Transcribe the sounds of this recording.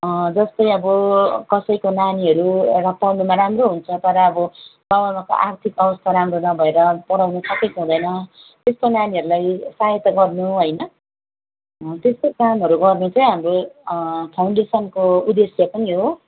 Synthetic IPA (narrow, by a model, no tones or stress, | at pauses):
d͡zʌst̪ʌjʌbʌkʌsʌjkonaniɦʌɾurʌp̪awnumaɾamroɦunt͡sʰʌt̪ʌɾʌːbʌbabamako̰ʔart̪ʰikʌbʌst̪ʰaɾamronʌbʱʌeɾʌpʌɽawnʌsʌkejkɦũd̪ʌjnʌ | t̪est̪onaniʌɾulajsaɦet̪aɡʌrnuɦʌjnʌ | t̪est̪okamɦʌɾuɡʌrnut͡sʰʌ̃ɦamro | pʰawɳɖesʌnkoud̪esjʌpʌniɦo